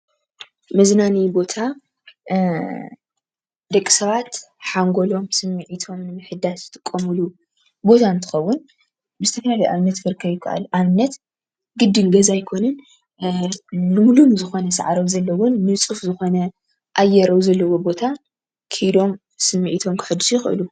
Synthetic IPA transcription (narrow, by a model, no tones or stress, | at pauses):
mɐznanibo̞t̪ʰa | d̪ɐkʼːi̥sɐβat̪ | ħaŋɡo̞lo̞msɨmːɨʕit̪ʰo̞mnɨmɨħɨd̪asɨt̪ʼɨkʼːɐmɨlu | bo̞t̪ʰant̪ʰɨ̥xɐwːʊn | bɨzɨt̪ʰɐfɐlalijʔaβnːɐt̪fɨɾkʰːɐβjɪkʰa̰ʔa̰lʔaβnːɐt̪ | ɡɨd̪ːɨnɡɐzajkʰo̞nɨn | nɨmulumzɨxo̞nɐsɐʕaɾowzɐlːɐwonːɨt͡sʼufzɨxo̞nɐ | ʔajːɛɾɐwzɐlːɐwo̞bo̞t̪ʰa | kʰɨjd̪o̞m | sɨmːɨʕit̪ʰo̞mkʰɨ̥ħɨd̪ːɨsjɪxʔɨ̰lu